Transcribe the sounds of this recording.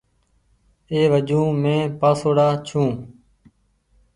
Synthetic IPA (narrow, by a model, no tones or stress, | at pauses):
eːʋəd͡ʒũːmẽːpaːsoːɽaːt͡ʃʰũː